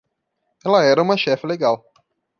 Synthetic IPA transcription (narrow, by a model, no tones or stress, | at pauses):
ɛlɐɛɾɐũmɐʃɛfɪleɡaw